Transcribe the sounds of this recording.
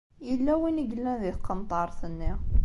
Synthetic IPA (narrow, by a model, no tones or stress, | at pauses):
jəlːæwinəɡəlːæ̃nðiθqːənt̪ˤɑɾˤθənːi